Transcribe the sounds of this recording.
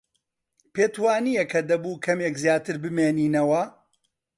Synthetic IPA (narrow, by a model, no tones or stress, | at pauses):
peːt̪waːnijekʰɐd̪ɐbuːkʰɐmekzjaːt̪ɨɾbɨmeːniːnɐwɐ